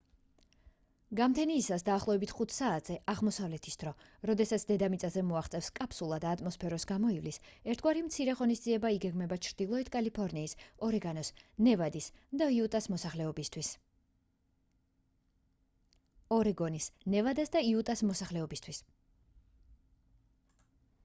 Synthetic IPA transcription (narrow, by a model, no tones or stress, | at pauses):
ɡamt̪ʰɛniːsasd̪aːχlˠɔvɛbit̪ʰχut̪ʰsaːt̪ʰz̥ɛʔaʁmɔsavlɛt̪ʰi̥sd̪̥ɾɔ | ɾɔd̪ɛsat̪sʰd̪ɛd̪amit̪sʼazɛmɔaχt̪sʼɛfskʼapʰsulˠad̪aːt̪ʼmɔspʰɛɾɔsɡamɔivlisɛɾt̪ʰɡwaɾimt̪sʰiɾɛʁɔnisd̪ziɛbaiɡɛɡmɛbat͡ʃʰɾd̪̥ilˠɔit̪ʰkʼalipʰɔɾniːsɔɾɛɡanɔsnɛvad̪isd̪aiut̪ʼasmɔsaχlɛɔbist̪ʰwis | ɔɾɛɡɔnisnɛvad̪asd̪aiut̪ʼasmɔsaχlɛɔbist̪ʰwis